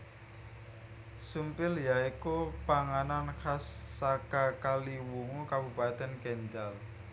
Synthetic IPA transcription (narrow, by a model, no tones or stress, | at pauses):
sumpɪljaikupaŋanankasːakakaliwuŋukabupat̪ɛnkɛɲd͡ʒal